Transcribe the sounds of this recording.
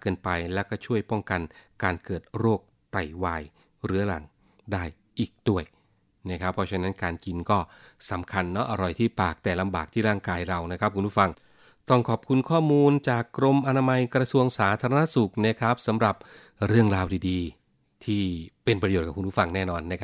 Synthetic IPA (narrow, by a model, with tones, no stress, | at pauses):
kɤː˧npa˧jlɛ˦˥wkɔː˥˩t͡ɕʰu˥˩əjpɔ˥˩ŋka˧nkaː˧nkɤː˨˩t̪̚ɾoː˥˩k̚ | t̪a˨˩jwaː˧j | ɾɯ˦˥ɐɾa˨˩˦ŋ | daː˥˩j | ʔiː˨˩k̚du˥˩əj | na˦˥kʰa˦˥pʰːɔː˦˥t͡ɕʰa˦˥na˦˥nkaː˧nki˧nkɔː˥˩sa˩˦mkʰa˧nːɔ˦˥ʔa˧ɾɔ˨˩jt̪ʰiː˥˩paː˨˩k̚t̪ɛː˨˩la˧mbaː˨˩k̚t̪ʰiː˥˩ɾaː˥˩ŋkaː˧jɾa˧wna˦˥k̚ʰkʰu˧npʰuː˥˩a˧ŋ | t̪ɔ˥˩ŋkʰɔː˨˩p̚kʰu˧nkʰɔː˥˩muː˧nt͡ɕaː˨˩kːɾo˧mʔa˧naː˧ma˧jkɾa˧su˧əŋsaː˩˦t̪ʰaː˧ɾa˧na˦˥su˨˩k̚na˦˥kʰa˦˥p̚sa˩˦mɾa˨˩p̚ | ɾɯ˥˩əŋɾaː˧wdiː˧diː˧ | t̪ʰiː˥˩pe˧npɾa˧joː˨˩t̚kːaː˨˩ku˧npu˥˩fa˧ŋnɛː˥˩nɔː˧nːa˦˥kʰa˦˥